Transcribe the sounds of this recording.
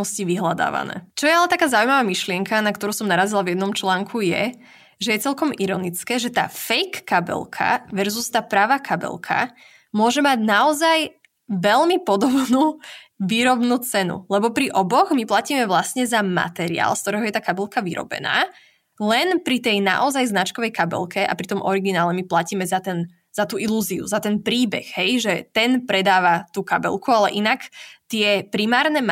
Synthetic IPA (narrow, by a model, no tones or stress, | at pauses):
ɔsciʋiɦlad̪a̰ːʋa̰nɛ̰ːt͡ʃɔjɛalɛt̪akaːzaujmaʋaːmiʃlɪɛŋkanakt̪ɔɾuːsɔmnaɾazilavjɛd̪nɔmt͡ʃlaːŋkʰujɛ̰ | ʒɛjɛt͡sɛlkɔmiɾɔnit͡skɛːʒɛt̪a̰ːfɛjkːabɛ̰lkʰa̰ʋɛɾzust̪aːpɾaʋaːkʰabɛ̰lkʰa̰ | mʊɔʒɛmaɟnaɔzaj | ʋɛlmipɔd̪ɔbnuːʋiːɾɔbnuːt͡sɛnṵlɛbɔpɾiʔɔbɔɣmiplaciːmɛʋlasɲɛzama̰t̪ɛɾḭa̰ːlˠskt̪ɔɾɛːɦɔjɛt̪aːkabɛlˠkaʋḭɾɔ̰bɛ̰na̰ː | lɛnpɾit̪ɛjna̰ʔɔzajznat͡ʃkɔʋɛjkabɛ̰lkʰɛʔa̰pɾit̪ɔmʔɔɾiɡinaːlɛmiplaciːmɛzat̪ɛn | z̥at̪uːʔiluːziṵzat̪ɛnpɾiːbɛ̰ɣɦɛjʒɛt̪ɛnpɾɛd̪aːʋat̪uːkabɛ̰lkualɛ̰ʔinakt̪ɪɛpɾimaːɾnɛ